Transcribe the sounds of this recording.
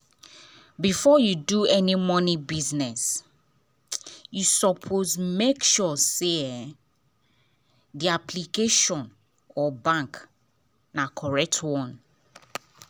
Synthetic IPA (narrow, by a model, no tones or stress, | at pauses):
bifɔjuduɛnimɔ̃nibiznɛs | jusɔpʰozmekʃuse | diapʰlikeʃɔ̃n | ɔbãŋk | nakʰɔɹɛk̚tʰwɔ̃n